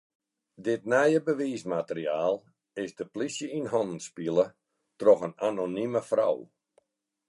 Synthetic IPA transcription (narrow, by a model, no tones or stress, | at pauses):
dɪtnɛjəbəʋiːsmatəriaːlˠ | ɪsdəplisjəinɦɔnən̩spiəlˠə | trɔxənanoniməfra̰w